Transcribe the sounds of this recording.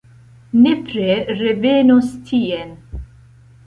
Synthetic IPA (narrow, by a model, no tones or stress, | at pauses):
nepɾeɾevenust̪ʰien